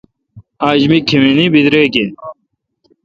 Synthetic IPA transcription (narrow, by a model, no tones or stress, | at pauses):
aːd͡ʑmikʰeminibid̪ɾeːɡe